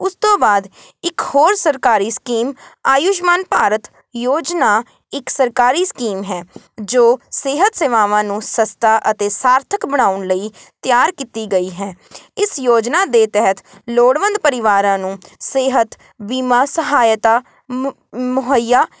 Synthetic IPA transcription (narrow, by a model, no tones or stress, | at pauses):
ʊst̪õːbaːd̪ | ɪkhoːɾsəɾkaːɾiːskiːmaːjʊʃmaːnpaːɾət̪ | joːd͡ʒnaː | ɪksəɾkaːɾiːskiːmɦɛː | d͡ʒoːseːɦət̪seːʋaːʋãːnũːsəst̪aːʔət̪eːsaːɾt̪ʰəkbəɽ̃aːʊnləiːt̪ɪjaːɾkiːt̪iːɡəiːɦɛː | ɪsjoːd͡ʒnaːd̪eːt̪ɛɦət̪loːɽʋə̃nd̪̚pəɾɪʋaːɾãːnũːseːɦət̪ | biːmaːsəɦaːjt̪aː | mʊɦəjaː